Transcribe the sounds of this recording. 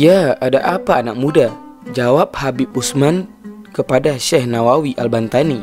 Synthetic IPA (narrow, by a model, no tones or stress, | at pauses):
jaadaʔapaːnak̚mudad͡ʒawap̚habip̚usmankəpadaʃɛhnawawiʔalbant̪ani